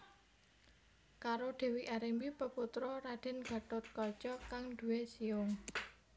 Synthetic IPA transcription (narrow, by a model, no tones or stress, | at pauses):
kaɾoɖ̥e̤wiʔaɾembipəput̪ɾɔɾaɖ̥ɛ̤nɡ̥a̤t̪ʊt̪̚kɔt͡ʃɔkaŋd̪̥ṳwesiʊŋ